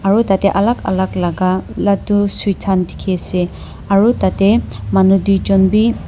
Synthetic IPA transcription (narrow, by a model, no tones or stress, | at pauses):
aɹutatɛʔalaka̰laklaɡalatusutʰandi̥kʰiasɛ | aɹutatɛmanudujzɔnbi